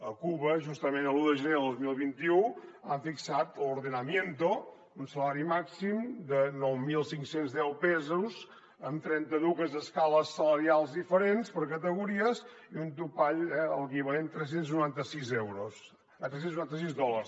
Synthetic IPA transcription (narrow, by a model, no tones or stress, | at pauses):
əkuβəʒust̪əmenəlˠuðəʒəneðozmilˠβint̪iuaɱfiksat̪luɾðənəmjent̪o | unsəlaɾimaksimd̪ənɔwmilˠsiŋksenzðɛwpɛzuz | ənt̪ɾɛnt̪əðukəzəskaləsːələɾialˠzðifəɾenspəɾkət̪əɣuɾiəziunt̪upaʎɛələkiβəlent̪ɾɛs̬ensnuɾant̪əsizɛwɾos | t̪ɾɛsensnuɾant̪əs̬izðɔləɾs